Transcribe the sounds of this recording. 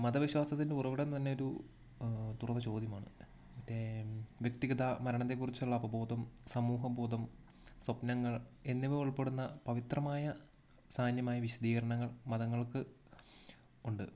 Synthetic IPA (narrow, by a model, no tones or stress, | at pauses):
mɐd̪ɐʋiɕwaːsɐt̪ːindeurɐʋiɽɐnt̪ɐnːe̞o̞ɾu | t̪urɐðɐt͡ɕo̞ːd̪jɐmaːɳɨ̰ | ɐtːeʋjɐk̚t̪iɡɐðamɐɾɐɳɐt̪̬ːe̞kːurit͡ɕːuɭːɐbɐbʱo̞ːd̪ɐmsɐmuːɦɐbʱo̞ːd̪ɐm | swɐpnɐŋːɐɭe̞nːiʋeuɭpe̞ɽunːɐpɐʋit̪rɐmaːjɐ | saːnjɐmaːjɐʋiɕɐd̪iːɣɐɾɐɳɐŋːɐɭmɐðɐŋːɐɭkɨ | uɳɖɨ